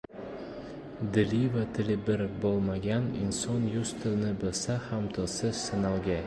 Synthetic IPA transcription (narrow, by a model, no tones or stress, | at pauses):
d̪ɪlivat̪ʰɪlɪbɪɾbolˠmaɡʲanɪ̰nsɒnjʊst̪ʰɪlnɪbɪlsahamt̪ʰɒsɪz̥sɪnalˠɡʲa